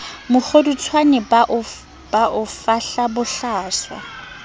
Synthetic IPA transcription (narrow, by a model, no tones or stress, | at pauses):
mʊk͡xʰodut͡sʰwanɛb | b̥aʔʊfaɬabʊɬaːswa̰